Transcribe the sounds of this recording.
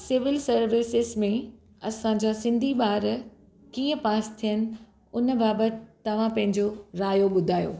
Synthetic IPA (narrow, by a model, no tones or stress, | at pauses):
sɪʋɪlsɐɾʋɪsɪzmẽ | ɐsãd͡ʑaːsɪ̃nd̪ʱiɓaːɾ | kiːə̃paːst̪ʰijənɪ̆ | ʊnbaːbət̪ɪt̪ːɐʋ̤ãpɐ̃ɦɪ̃ɲd͡ʑoɾaːjoɓʊd̪ʱaːjo̰ː